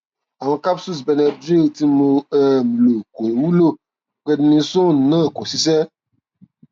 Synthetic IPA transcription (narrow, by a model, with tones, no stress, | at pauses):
a˨mɛ̃˨ka˦psu˦s̬bɛ˨nɛ˨dɾi˦˨ti˦mõ˧e˨m˨lo˨ko˨wu˦lo˦˨ | k͡pe˨di˦nĩ˧sõ˦˨nã˦˨kɔ˨si˦s̬ɛ˦